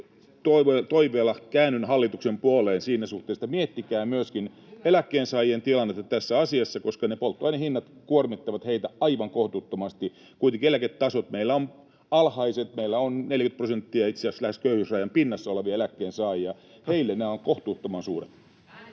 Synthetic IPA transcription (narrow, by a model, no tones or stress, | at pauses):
t̪oʋet̪oiʋˑeːlːɑkæːnynhɑlːit̪uksempuoleːnsiːnæsuht̪eːst̪ɑmiet̪ːikæːmyøskin | elækːeːnsɑːjient̪ilɑnːet̪ːɑt̪æsːæɑsiɑsːɑkoskɑnepolt̪ːuɑinɑhinːɑt̪kuormit̪ːɑʋɑt̪heit̪æɑiʋɑŋkoht̪uːt̪ːomɑst̪i | kuit̪eŋkielæket̪t̪ɑsot̪meilːæon | ɑlhɑiset̪meilːæonneljkynt̪prosent̪ːiɑit̪seæslæheskøyhysrɑjɑmpinːɑsːɑoleʋiɑelækːeːnsɑːjijɑ | heilːenæːoŋkoht̪uːt̪ːomɑnsuːret̪